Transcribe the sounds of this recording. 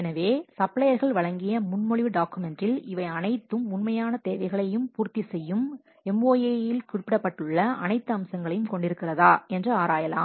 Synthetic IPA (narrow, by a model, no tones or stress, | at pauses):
ɛnɐʋeːsɐpɭɐjɐɾɣɐɭʋɐɻɐŋɡɪjɐmʊnmɔɻɪʋɯɖaːkɯmɛndɪlɪʋɐɪɐnɐɪt̪ːɯmʊnmɐjaːnɐt̪eːʋɐɪɣɐɭɐjɯmpuːɾt̪isɛjːɯm | ɛmoːjeːjɪlkʊrpːɪɽɐpːɐʈːɯɭːɐɐ̰nɐɪt̪ːɯɐmsɐŋɡɐɭɐjɯmkɔɳɖɪɾɯkːɪrɐðaːɛndrɐaːɾaːjɐla̰ː